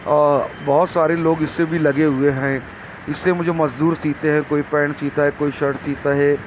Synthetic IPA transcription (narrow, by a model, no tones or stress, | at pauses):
ɔːɾbɐɦʊt̪saːɾeloːɡɪsːebʱilɐɡeɦʊeɦɛ̃ː | ɪsːemʊd͡ʒʱemɐzd̪uːɾsiːt̪eɦɛ̃koːipɛ̃ːɳsiːt̪aɦɛkoːiʃɐɾʈsiːt̪aɦɛː